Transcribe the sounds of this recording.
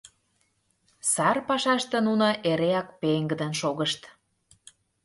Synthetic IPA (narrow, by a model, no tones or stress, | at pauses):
sɑrpɑʃɑʃt̪ĕnunŏʔeɾeɑkpeŋɡə̆d̪ə̆nʃoɣəʃt̪